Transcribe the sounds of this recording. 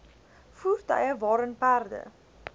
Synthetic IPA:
fuːrtə̰jəvɑːɾənpærdə̰

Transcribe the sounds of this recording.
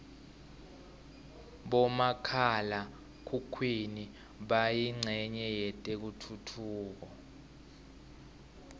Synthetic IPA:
ɓɔmakʰala | kʰukʰwini | ɓajiŋ͡ǀʱɛɲɛjɛtʼek̬utʰutʰuːk̬ɔ

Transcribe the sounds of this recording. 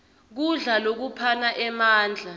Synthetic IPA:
k̬uɮalok̬upʰanaʔɛmaːnd͡ɮʱa

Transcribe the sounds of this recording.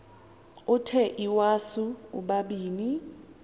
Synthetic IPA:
utʰɛʔiwasuṵɓaɓiːni

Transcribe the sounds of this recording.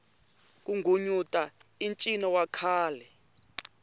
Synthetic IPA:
k̬ʼuŋɡʱuɲutʼaint͡ʃʼinɔwakʰaːlɛ

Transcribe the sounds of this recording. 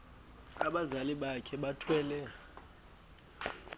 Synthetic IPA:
aɓazaliɓakʰɛɓatʰwɛːlɛ

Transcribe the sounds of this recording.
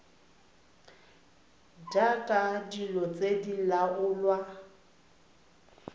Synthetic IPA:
dakʼadilɔt͡sʼedilaʔʊlwa

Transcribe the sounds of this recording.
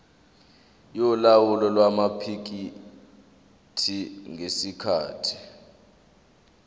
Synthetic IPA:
jɔlawulɔlwamapʰik̬i | tʰiŋesikʰa̰ːtʰi̥

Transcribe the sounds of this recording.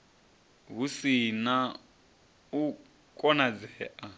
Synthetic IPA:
ɦusina | u | kʼɔnad͡zɛːʔa

